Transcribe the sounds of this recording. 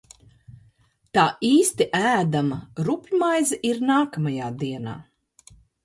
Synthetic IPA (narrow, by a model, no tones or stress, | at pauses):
t̪aːʔiːst̪iʔæːd̪amɐɾupʲmajzʔiɾnaːkɐmajaːd̪iɛna̰ː